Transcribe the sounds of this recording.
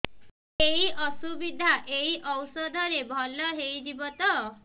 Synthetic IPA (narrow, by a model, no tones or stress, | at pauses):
eɦiʔɔsubid̪ʱaʔeiʔɔwsɔd̪ʱɔɾebʱɔlɔɦejd͡ʒibɔt̪ɔ